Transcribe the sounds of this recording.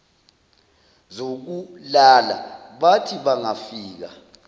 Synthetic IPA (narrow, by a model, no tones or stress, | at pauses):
zok̬ulala̰ɓatʰiɓaŋafiːk̬a̰